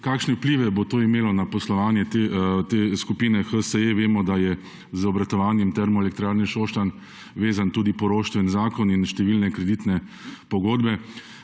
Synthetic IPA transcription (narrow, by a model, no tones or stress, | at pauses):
kaːkʃnɛwpliːʋɛbot̪oːimeːlɔnapɔslɔʋaːnjɛt̪et̪eskupiːnɛxəsəeʋeːmɔd̪ajɛ | zɔbɾat̪ɔʋaːnjɛmt̪ɛɾmɔɛlɛk̚t̪ɾaːɾniʃoːʃt̪an | ʋeːzant̪uːd̪ipɔɾoːʃt̪ʋɛnzaːkɔninʃt̪ɛʋiːlnɛkɾɛd̪iːt̪nɛ | pɔɡoːd̪bɛ